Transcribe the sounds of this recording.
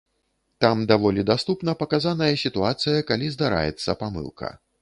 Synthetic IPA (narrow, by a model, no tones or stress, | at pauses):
t̪amd̪avɔlʲid̪ast̪upnɐpɐkazanɐjɐsʲit̪uat̪sɨjɐkalʲizd̪aɾa̰jɛ̰t̪sːɐpamɨ̰lˠkʰɐ̰